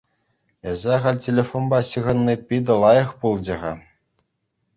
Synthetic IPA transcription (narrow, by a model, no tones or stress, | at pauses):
ezæʁɑlʲtʲelʲefonbɑɕɯʁɤ̆nːipʲid̪ɤ̆lˠɑjɤ̆χpulˠd͡ʑɤ̆ʁɑ